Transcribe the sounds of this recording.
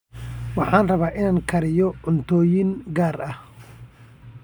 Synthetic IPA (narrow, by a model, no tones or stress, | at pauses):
wɑħɑːnrɐβaːʔɪnaːŋkʰɐɾɪjɔʕʊnt̪ʰɔːjɪŋɡaːrɐh